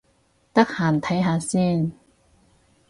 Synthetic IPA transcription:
t̪ɐ˥k̚haː˨˩nt̪ʰɐ˨˥jɦaː˧siː˥˩n

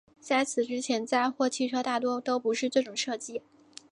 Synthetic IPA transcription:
t͡sa˥˩ɪt͡sʰɹ̩˨˩ʈ͡ʂɻ̩˥t͡ɕʰjɛ˧˥nt͡sa˥˧ɪxwɔ˥˩t͡ɕʰi˥˩ʈ͡ʂʰɤ˥t̪a˥˩t̪wɔ˥t̪o˥ʊpu˧˥ʂɻ̩˥˧ʈ͡ʂɤ˥˩ʈ͡ʂʊ˨˩ŋʂɤ˥˩t͡ɕi˥

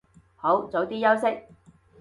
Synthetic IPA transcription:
ho˨˥wt͡so˨˥t̪iː˥jɐ˥wsɪ˥k̚

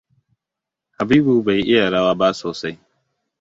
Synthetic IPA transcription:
ha˨biː˦bu˨ba˨ji˦ʔɪ˦ja˨ɽa˦waː˦baː˦soː˨sa˦j

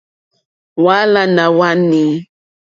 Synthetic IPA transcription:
wa˦la˦nã˨wa˦nĩ˨

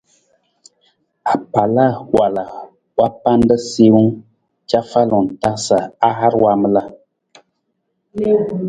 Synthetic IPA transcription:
a˨pa˨la˦wa˨la˨ | wa˦pa˦n˦də˦se˦wu˦ | t͡ʃa˦fa˦lɔ˨n˨ta˦sa˨a˦ɦa˦ɾwa˦mə˦la˦

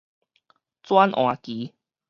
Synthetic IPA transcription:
t͡swa˦nʔw̃ã˨˦ki˨˦

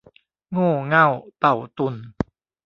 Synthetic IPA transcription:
ŋoː˥˩ŋa˥˩˨wt̪a˨˩wt̪u˨˩n

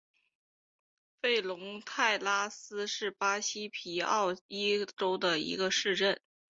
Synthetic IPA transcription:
fe˥˩ɪlʊ˧˥ŋt̪ʰa˥˩ɪla˥sɹ̩˥ʂɻ̩˥˩pa˥ɕi˥pʰi˧˥ɑ̰˥˩ʊi˥ʈ͡ʂo˥ʊd̪ə˨ḭ˧˥ɡə˧ʂɻ̩˥˧ʈ͡ʂə˥˩n

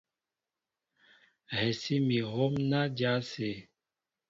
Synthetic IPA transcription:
hɛ˨si˦mi˨ɣo˦mna˦d͡ʒa˦se˨

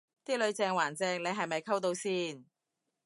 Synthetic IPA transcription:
t̪iː˥lɵ˨˧ɥt͡sɛː˧ŋwaː˨˩nt͡sɛː˧ŋne˨˧jɦɐ˨jmɐ˨jkʰɐ˥wt̪o˧wsiː˥˩n

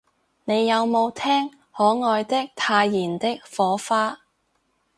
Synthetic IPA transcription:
ne˨˧jːɐ˨˧wmo˨˧wt̪ʰɛː˥ŋ | hɔː˨˥ŋɔː˧jt̪ɪ˥k̚t̪ʰaː˧jːiː˨˩nt̪ɪ˥k̚fɔː˨˥faː˥

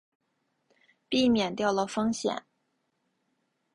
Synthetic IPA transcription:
pi˥˩mjɛ˨˩nt̪jɑ˥˩ʊlə˩fɤ˥ŋɕjɛ̰˨˩˦n

